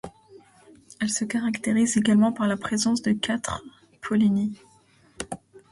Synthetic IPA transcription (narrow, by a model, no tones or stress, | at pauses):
ɛlsəkaʁakt̪eʁizeɡalmɑ̃paʁlapχezɑ̃sd̪əkat̪χ | pʰɔlini